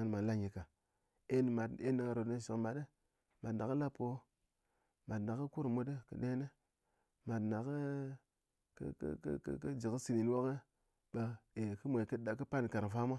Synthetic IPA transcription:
n˨ma˨˦la˦ɲi˨ka˨ | e˦n˨ma˨dḛ˦na˨ŋa˨ɾo˨˦ə˦˨ʃi˨kma˨də˦ | ma˨dna˨kə˦la˦po˨˦ | ma˨tna˨kə˦ku˦ɾmu˦də˦kə̰˨ɗe˦ne˦ | ma˨dna˨kə˦ | kkkkkə˦d͡ʒi˨kə˦si˨ni˨n˦wo˦kə˦ | ɓa˨e˨kə˦me˨kə˦a˨kə˦pa˦n˨ka˨ɾfa˦ma˦

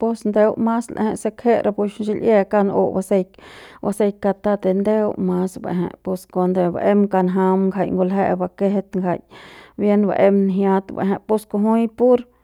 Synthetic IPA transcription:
po˧snd̪e˦wma˦slʔa̰˧hẽ˧ʔse˧khe˦ʔɾʔa˧pu˧ʃnʃi˧lʔje˧ka˦˧no̰˧˨ba˧se˧jkwa˧se˧jka˧t̪a˧t̪e˧˨nd̪e˦wma˦sbḛ˨ɦḛ̃˨ʔpo˧sko˧nd̪e˧ba̰˧˨ʔe˦mka˧nɦa˧mŋɡʰa˧˨jŋɡo˧lɦe˧ʔba˧ke˦he˧t̪ŋɡʰa̰˨jbje˦nba̰˧ʔe˧mnɦja˦t̪bḛ˨ɦẽ˧ʔpo˧˦sko˧ɦu˦jpu˦ɾ

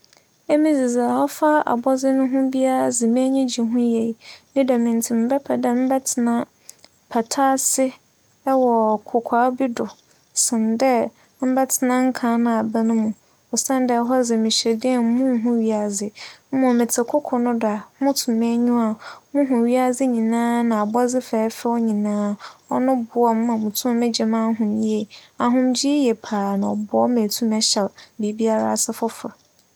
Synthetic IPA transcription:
e˦mĩ˦zɪ˨za˨hɔ˦fa˦a̰˨bɔ˦zɪ˦nʊ̃˦ɦʊ̃˦bi˦a˦a˨zɪ˨mɛ̃˦ɲĩ˦d͡ʑi˨ɦʊ̃˦jɛ˨i˨mĩ˦da˨mɪ̃˨ntʰi˨m̩˦bɛ˦pʰɛ˨dɛ˦m̩˦bɛ˦tʰɪ˨nã˦ | pʰa˨tʰaː˦sɪ˦ | wɔ˨kʰʊ˨kʰaː˨˦bi˦dʊ˨ | sɪ̃˨ndɛ˦ | m̩˦bɛ˦tʰɪ˨nã˦ŋ̩˦kʰã˨˦nã˨a˨ba˦nʊ̃˦mũ˨ | ɔ˨sã˦n˦dɛ˦ɦɔ˦zɪ˨mɪ̃˨ɕɛ˨dɪ˦ɛ˨m̩˦mʊ̃˦˨˦ɦʊ̃˦ɥi˨a˨zɪ˨m̩˦mɔ̃˨mɪ̃˨tʰɪ˨kʰʊ˦kʰɔ˨nʊ̃˦da˨mʊ̃˦tʰũ˨me˦ɲũ˦a˨mʊ̃˦ɦʊ̃˨ɥi˦a˨d͡zɪ˦ɲĩ˨nãː˦nã˨a˨bɔ˦d͡zɪ˦fɛː˨˦fɛ˦wɔ˦ɲĩ˨nãː˦ɔ˦nʊ̃˦bʊ˨˦ɔ˨m˦mã˨mʊ̃˨tʰʊ̃˦mɪ̃˦d͡ʑɛ˨mã˦ɦʊ̃˨mji˦e˨a˨ɦʊ̃˦md͡ʑi˦jɛ˨pʰaː˨nã˨ɔ˨bɔ˦mẽ˨tʰũ˦mɛ˦ɕɛ˨lbi˨˦bi˦a˦ɾa̰˦˨sɪ˦fʊ˦fʊ˨

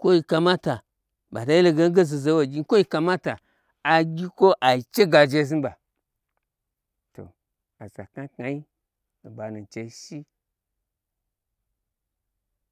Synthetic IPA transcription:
kʷo˦ji˨ka˧ma˦ta˨ | ba˨ta˨˦i˦lo˨ɡe˦n˦ɡe˦zi˨ze˨˦wo˨ɡʲi˦ko˦i˨ka˨ma˦ta˨ | a˨ɡʲi˦ko˦ʔa˨i˨t͡ʃe˦ɡa˨d͡ʒe˧˦˨zi˦nba˨ | to̰˨ | a˨za̰˨ka˦ka˨i˦˨ | ba˨nu˨t͡ʃe˨i˦ʃi˦

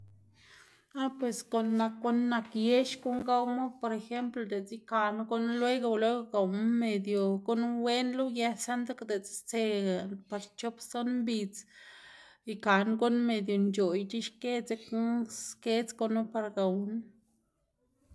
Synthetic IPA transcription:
a˦pwe˨sko˨nːa˧kɡu˦nːa˧kje˦ʃɡu˦ŋɡa˦wmo˦po˨ɾe˧xe˦mplo˧d̪e˨t͡si˦ka˨nɡu˦n˦lwe˦ɡo˧lwe˦ɡo˧ɡa˨wnme˨d̪jo˨ɡu˦nwe˦nlu˦je˧sa˦nd̪a˦kd̪e˨t͡st͡se˧a˨pa˧ɾt͡ʃo˦pso˦nmbi˧t͡s | i˨ka˨nɡu˦nme˨d̪jo˨nd͡ʒo˨jt͡ʃi˦ʃke˦t͡se˧ksske˦t͡sɡo˧nu˦pa˧ɾɡa˨wn

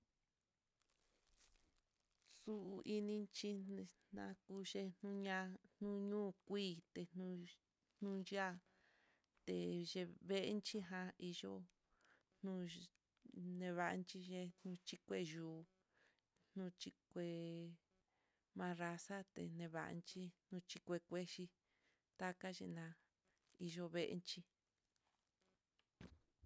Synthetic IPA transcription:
su˦ʔu˧ʔi˧nĩ˧nt͡ʃi˦˧nã̰˧ku˦ʃe˧nnũ˦ɲã˧nnũ˦ɲũː˦˨kʷiː˦˨t̪e˧nũ˧ | n̥ũ˦ja˦˨ | t̪e˧ʒe˧βe˦ʔe˦nt͡ʃi˦ɦã˧i˧ʒo˦ | n̥ũ˦ | nẽ˧βa˧ʔnt͡ʃi˦ʒe˧n̥ũ˧t͡ʃi˦kʷe˧˦ʒuː˨ | n̥ũ˦t͡ʃi˧kʷe˧ | mã˧ɾa˧sa˦t̪ḛ˨nẽ˧βa̰˧˨ʔnt͡ʃi˦nũ˧t͡ʃi˧kʷe˧kʷe˦ʃi˧ | t̪a˦ka˦ʒḛ˧nã˧ | i˧ʒo˧βe˦˧ʔḛ˧˦nt͡ʃi˦

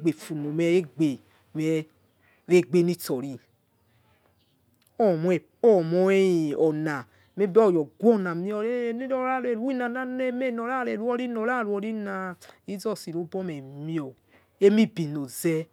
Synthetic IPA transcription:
ɡ͡be˨fu˨no˨mɛ˦ɾe˦ɡ͡be˨ | mɛ˨˦ | ɾe˦ɡ͡be˦ni˦tɔ˨ɾi˨ | ɔ˦˨mɔ˦ɛ˨ | ɔ˦˨mɔ˦e˦i˨ɔ˨na˨ | me˦bɔ˦˨jɔ˨ɡʷɔ˦˨na˨mi˦ɔ˨ɾe˦˨ni˦ɔ˦ɾa˦˨le˨ɾu˦i˦na˨na˦ne˦me˦˨nɔ˨ɾa˦˨ɾe˨ɾu˦ɔ˦ɾi˦nɔ˨ɾa˦˨ɾu˦ɔ˧ɾi˦na˨ji˦zɔ˦˨si˨ɾu˨˦bɔ˦mɛ˨mi˦ɔ˨ | e˦mi˦bi˨no˨zɛ˦

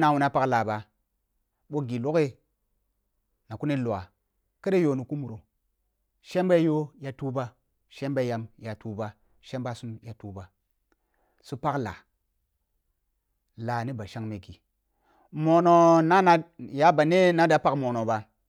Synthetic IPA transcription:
na˨wu˨na˦pa˦kla˨ba˨ | ɓo˦ɡi˨lo˦ke˦ | na˨ku˦ni˦lo˨a̰˨ | ke˦ɾe˦jo˨ni˨ku˦mu˨ɾo˨ | ʃe˦mba˦jo˦ja˨tu˦ba˦ | ʃe˦mba˦ja˨mja˨tu˦ba˦ | ʃe˦mba˦su˦mja˨tu˦ba˨ | su˦pa˦kla̰˨ | la˨ni˦ba˨ʃa˦ŋme˨ɡi˨ | mo˨no˨na˦na˦ja˨˦ba˨ne˦na˦da˨pa˦kmo˨no˨ba˨

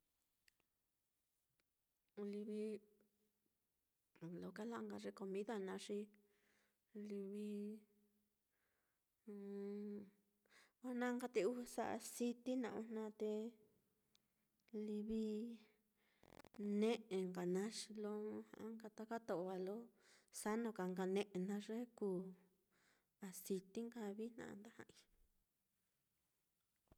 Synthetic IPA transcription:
li˧βi˧˨ | lo˧˨ka˦la˦˧ŋɡa˧ʐe˧ko˧mĩ˦ða˧nã˧˦ʂi˧ | li˧βi˧ | a˦nã˦ŋɡa˧t̪e˧u˦˧sa̰˦ʔa̰˧si˧t̪i˦nã̰˧˨ũ˧nnã˧t̪e˧ | li˧βi˧ | nẽ˦ʔẽ˨ŋɡa˨nã˧˦ʃi˧lõ˦˧˦hã̰˧˦ŋɡa˧t̪a˦ka˦t̪o˧ʔo˧βa˧lo˦sa˦nõ˧ka˨ŋɡa˧nẽ˧ʔe˧nã˧ʐe˦ku˧ | a˨si˧t̪i˦ŋɡa˧βi˦nã̰˧˨˧nd̪a˦hã˧ʔi˧

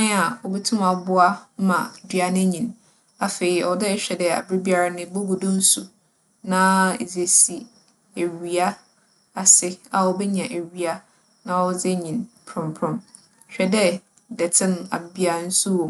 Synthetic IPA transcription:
ã˦a˨ɔ˨bɛ˦tʰʊ̃˦ma˨bʊ˦a˦mã˨dɥa˨nɪ̃˦ɲĩ˨n | a˨fe˨i˨ɔ˨dɛ˦ɕᶣɛ˨dɛ˨a̰˨bɾi˦bi˦a˦ɾa˦nɪ̃˦bo˦ɡu˨dʊ̃˦n̩˦su˨ | nã˦˨d͡ze˨si˨ | æ˨ɥɥi˨a˦ | a˨sɪ˦a˨ɔ˦bɛ˦ɲã˨ʔæ˨ɥi˨a˦ | nã˦ɔ˦d͡zɛ˦ɲĩ˨npʰɾʊ̃˨mpʰɾʊ̃˦m˨ | ɕᶣɛ˦dɛ˦ | dɛ˨tʰɪ̃˦na˨bi˦a˨n̩˦su˦wõ˨

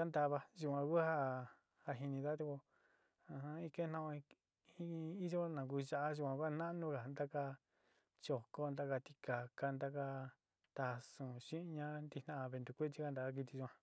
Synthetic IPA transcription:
a˦nd̪a˧βa˧ʒu˧˨kʷã˧ku˦ha˦ | ha˧ɦi˧nĩ˧ða˦t̪u˧ko˧ | ã˧hã˧i˦ke˦nã˦˧ʔõ˧ | i˦˧i˦ʒo˦nã˨k̬u˧ʒa˧ʔa˦ʒu˧kʷã˧kʷa˦˧nã˦˧nũ˦ka˨nd̪a˦ka˧ | t͡ʃo˨ko˦nd̪a˧ka˧t̪i̥˧ka˨ka˧nd̪a˦ka˧ | t̪a˧sũ˨ʃĩ˦˧ɲã˦nd̪i˧nã˦˧a˧βe˧nd̪u˧˨kʷe˦t͡ʃi˦ka˧nd̪a˨ka˦˧k̬i˧t̪i˧ʒu˧˨ã˧

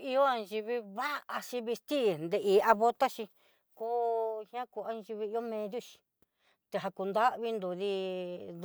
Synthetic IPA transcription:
i˧o˦a˧nʒi˧βi˧βa˦ʔa˧ʃi˧βi˧st̪i˦˨nd̪e˧ʔi˨a˧βo˧˦t̪a˦ʃĩ˧ | ko˦hã˦ku˧˨a˧ʒi˧βi˧i˧˦o˦mẽ˧ðju˦ʃi̥˧ | t̪e˧ɦa˧ku˧nd̪a˦ʔβi˧nd̪o˧˨ði˧

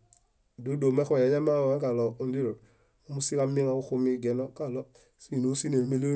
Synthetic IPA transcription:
do˨˦do˨me˦xo˦˨je˨ja˦ma˦o˨e˦ka˨lɔ˨u˨ndi˦ɾo˨ | u˦mu˦si˦ka˦mi˦ŋa˨u˦xu˦mi˦ɡe˨nɔ˦ka˨lɔ˦ | si˦˨no˨˦si˦ne˨me˦lo˦

